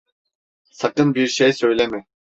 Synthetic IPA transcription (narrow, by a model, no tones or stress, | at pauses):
sakɯnbiɾʃejsø̞jlʲɛmɪ